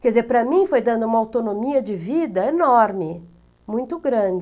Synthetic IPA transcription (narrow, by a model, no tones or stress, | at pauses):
kɛd͡ʒɪzeɾpɾɐmĩfojd̪ɐ̃nd̪ʊũmɐawt̪onomiɐd͡ʒɪvid̪ɐenɔɾmɪ | mũj̃t̪ʊɡɾɐ̃d͡ʒɪ